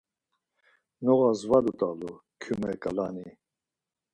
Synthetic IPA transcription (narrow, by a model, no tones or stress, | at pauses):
nɔɣazvad̪ut̪ʼalu | kʰumɛkʼalani